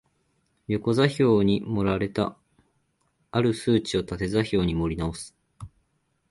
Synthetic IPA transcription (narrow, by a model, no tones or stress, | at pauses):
jo̞ko̞zaço̞ːɲ̟imo̞ɾaɾe̞t̪a | aɾɯ̟sɨːt͡ɕio̞t̪at̪e̞zaço̞ːɲ̟imo̞ɾʲinao̞sɨ̥